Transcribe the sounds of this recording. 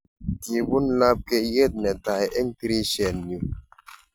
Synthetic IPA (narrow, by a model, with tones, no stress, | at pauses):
ti˨bu˦n̩˦la˦p̚ke˦je˦˨t̚nɛ˨ta˨jɛ˦ŋ̩˦ti˦ɾi˦ʃɛ˨nːi˨